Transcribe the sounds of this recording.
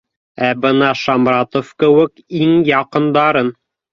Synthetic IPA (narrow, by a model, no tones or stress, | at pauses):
æbɤnɑʃɑmrɑt̪ŏfkɘ̆wɘkiŋjɑqɤ̆nd̪ɑɾɤn